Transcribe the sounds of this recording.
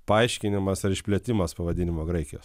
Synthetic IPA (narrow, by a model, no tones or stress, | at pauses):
pɐɐɪʃʲkʲɪnʲɪmɐsɪɾɪʃʲpʲlʲiɛt̪ʲɪmɐspɐʋɐd̪ʲɪnʲɪmoːɡɾɐɪkʲɪjoːs